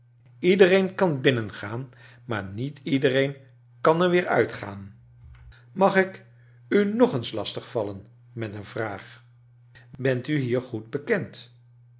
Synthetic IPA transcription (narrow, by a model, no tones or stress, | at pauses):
idərejnkɑnbɪnənχaːn | maːɹnitidərejn | kɑnɛɹʋɪːɹœ̰ɥtχa̰ːn | mɑχɪk | ynɔχənslɑstəχfɑlən | mɛtənvraːχ | bɛntyɦiːɹχud̚bəkɛnt